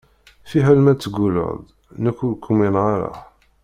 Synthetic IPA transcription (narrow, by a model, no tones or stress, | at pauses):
fiɦælmæt͡sːəɡulo̰ðˤ | nəkʷːulkʰʷːuminʁaɾˤa̰